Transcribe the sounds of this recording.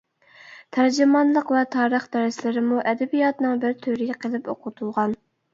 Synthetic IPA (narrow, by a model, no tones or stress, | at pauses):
t̪ʰæɾd͡ʒɪmɑnlˠəqwɛt̪ʰɑːɾəχd̪ɛɾɪslɪɾɪmuʔɛd̪ɛbijɑt̪nɨŋbɪɾt̪ʰyɾɪɡʲqʰəlˠɪpoqʰʊt̪ʰulˠʁɑn